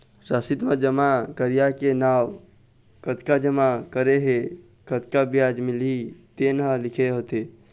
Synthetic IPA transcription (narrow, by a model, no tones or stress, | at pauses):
ɾəsit̪məd͡ʒəmakəɾijakenaw | kət̪kad͡ʒəmakəɾeɦe | kət̪kabijad͡ʒmɪlit̪enɦəlɪkʰeɦot̪e